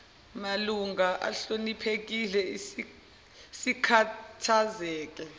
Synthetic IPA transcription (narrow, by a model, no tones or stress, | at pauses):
maluŋaʔa̰ɬonipʰek̬ilɛi | sikʰatʰazɛːk̬ɛ